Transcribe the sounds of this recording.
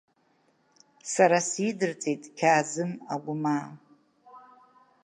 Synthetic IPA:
saɾasidɨrt͡sʼejtʼkʲʰaːzɨmaɡʷʊmaː

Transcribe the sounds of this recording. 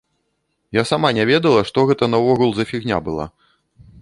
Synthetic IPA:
jasamanʲɛvʲɛd̪ɐlˠɐʂt̪ɔɣɛt̪ɐnɐvɔɣulˠzɐfʲiɣnʲa̰bɨlˠa̰

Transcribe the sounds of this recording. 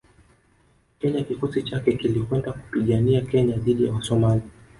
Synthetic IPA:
kɛɲakikɔsit͡ʃakɛkilikwɛndaku̥piɠaniakɛɲaðiɗijawasɔmali

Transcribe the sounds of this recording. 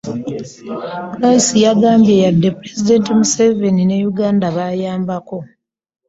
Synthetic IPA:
puɾajisijaɡaːmbje̞jadːe̞puɾe̞zide̞ntimuse̞ve̞nine̞juɡaːndaβajaːmbako̞

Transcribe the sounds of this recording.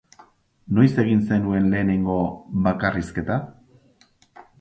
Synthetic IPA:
no̞jse̞ɣinse̞nue̞nle̞ːne̞ŋɡo̞βakariske̞t̪a

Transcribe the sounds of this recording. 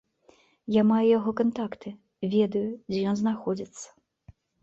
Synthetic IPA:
jamajɛjaɣɔkant̪akt̪ɨ | vʲɛd̪ɐjud͡zʲɛjɔnznaxɔd͡zʲit̪sːɐ̥

